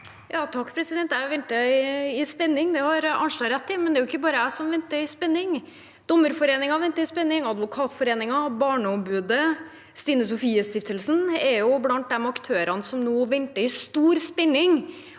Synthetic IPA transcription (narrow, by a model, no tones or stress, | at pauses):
jɑːt̪ʰɑkːpʰɾɛsɪd̪ɛnt̪æʋɛnt̪əɪɪspɛnːɪŋd̪ɛhɑɾɑ̰nʂlɑːɾɛt̪ʰːɪmɛnd̪ɛɾjʊɪkːəbɑːɾəæsɔmʋɛnt̪əɪspɛnːɪŋ | d̪̥ɔmːəɾfɔɾeːnɪŋɑʋɛnt̪əɪspɛnːɪŋɑd̪ʋʊkʰɑːt̪fɔɾeːnɪŋɑbɑːɳəɔmbʉːd̪ə | st̪iːnəsɔfiːəst̪ɪft̪əlsənɛɾjʊblɑnt̪̚d̪ɛmɑkt̪ʰøːɾʔɑnsɔmnoːʋɛnt̪əɪst̪uːɾspɛnːɪŋ